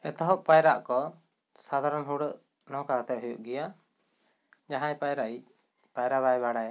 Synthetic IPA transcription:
ɛt̪ɔɦɔʔpajɾaʔkɔ | sad̪ʱaɾɔnɦuɽəʔ | nɔkat̪ɛʔ̚ɦujuʔɡɛja | d͡ʒaɦãjpajɾaʔi | pajɾaβajbaɽaj

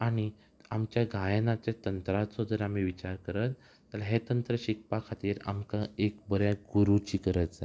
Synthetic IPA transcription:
aɽ̃i | amt͡ɕjaɡʱajənat͡ɕat̪ənt̪ɾat̪sod̪ʱəɾam̤iʋit͡ɕaɾkəɾət̪ː | əlɦet̪ənt̪ɾəɕik̚pakʰat̪iːɾa̰mkaek̚bəɾjaɡuɾut͡ɕiːkəɾət̪d͡za

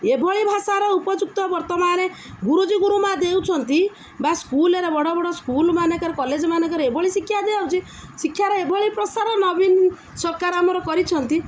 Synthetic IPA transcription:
ebʱɔɭibʱasaɾɔupɔd͡ʒuk̚t̪ɔbɔɾt̪ɔmaɾe | ɡuɾud͡ʒiɡuɾumad̪ewt͡ʃʰɔnt̪i | baskuleɾebɔɽɔbɔɽɔskulmanekɔɾekɔled͡ʒɔmanekɔɾeebʱɔɭisikʰːjad̪eaut͡ʃi | sikʰːjaɾeebʱɔɭipɾɔsaɾɔnɔbin | sɔɾkaɾamɔɾɔkɔɾit͡ʃʰɔnt̪i

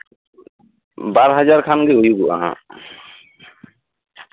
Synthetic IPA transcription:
baɾɦad͡ʒaɾkʰanɡɛujuɡuʔa̰ɦã̰

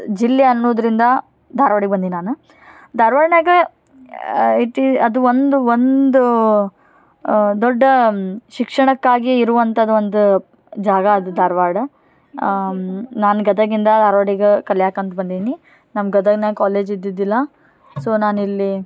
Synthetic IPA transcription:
d͡ʒilːeɐnːoːd̪ɾind̪ɐ | d̪ʱaːɾʋaːɽiɡbɐnd̪ininaːnu | d̪aːɾʋaːɽnɐːɡe | it̪iɐd̪uond̪uond̪u | d̪ɔɖːɐʃikʂɐɳɐkːaːɡiːɾuʋɐnt̪ʰɐd̪ɐond̪u | d͡ʒaːɡɐːd̪ud̪aːɾʋaːɽɐ | naːnuɡɐd̪ɐɡind̪ɐd̪aːɾʋaːɽiɡekɐljaːkɐnt̪bɐnd̪id̪ini | nɐmɡɐd̪ɐɡnɐkaːleːd͡ʒid̪ːid̪ilːɐ | soːnaːnilːi

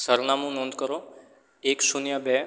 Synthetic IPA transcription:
səɾnamũnɔ̃ːnd̪kəɾo | ekʃunjãbɛ

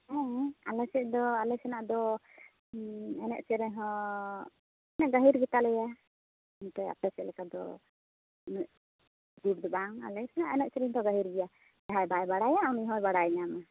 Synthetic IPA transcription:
ɛ̃alɛsɛʔd̪ɔalɛsɛnaʔd̪ɔ | ɛnɛʔsɛɾɛɲɦɔ̃ | ɛnɛʔɡaɦiɾɡɛt̪alɛja | ɛnt̪ɛja̰pɛsɛlɛkad̪ɔ | nuʔ | ɡuɾd̪ɔbaŋa̰lɛsɛnaʔɛnɛʔ̪̚sɛɾɛɲd̪ɔɡaɦiɾɡɛja | d̪aɦajbajbaɽajaːwniɦɔjbaɽajɲama

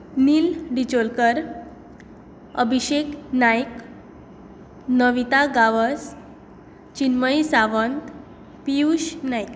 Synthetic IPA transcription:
nilɖit͡ɕolkəɾ | əbʱiɕeknajk | nəʋit̪aɡaʋəs | t͡ɕinməjsaʋənt̪ | piuɕnajk

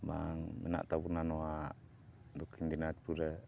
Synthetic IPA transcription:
ba̰ŋmḛna̰ʔt̪abunanoa | d̪ukːind̪inat̪̚puɾa

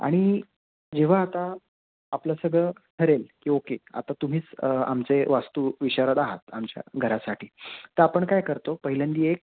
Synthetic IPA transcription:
a̰ɽ̃i | d͡ʑeʋ̤aːt̪aː | plasəɡɭət̪ʰəɾelkiːokea̰t̪at̪um̤iːt͡sa̰mt͡seʋast̪uːʋiɕaɾət̪aɦa̰t̪amt͡ɕja̰ɡʱəɾasaʈʰiːt̪əɾapəɳkajkəɾt̪opəɦilənd̪iːek̚

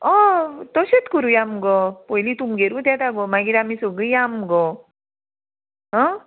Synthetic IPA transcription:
ɔt̪ɔɕet̪kuɾujamɡɔpɔilit̪umɡeɾũt̪at̪aɡɔmaɡiɾamisoɡɯjamɡɔ | ɦɔ̃

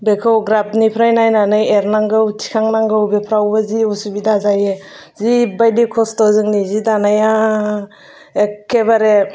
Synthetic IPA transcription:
bekʰɯwɡɾabnipʰɾajnajnanɯjeɾnaŋɡɯwtʰi̥kʰaŋnaŋɡɯwbepʰɾawbaziusubidazaje | zibajdikʰɔstɔzɯŋnizidanaja | ekʰːebaɾe

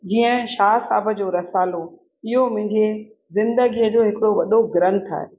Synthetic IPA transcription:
d͡ʑiːə̃ʃaːsaːbə̆d͡ʑoːɾɐsaːlo | ɪɦomʊ̃ɦɪ̃ɲd͡ʑe | zɪ̃nd̪əɡijəd͡ʑoːɦɪkɪɽoʋɐɗoɡɾə̃nt̪ʰa̰ːɦe

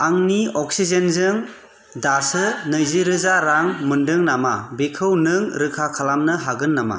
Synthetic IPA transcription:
aŋniɔk̚sizenzɯŋ | dasɯnɯjziɾɯzaɾaŋmɯndɯŋnamabekʰɯwnɯŋɾɯkʰakʰalamnɯɦaɡɯnːama̰

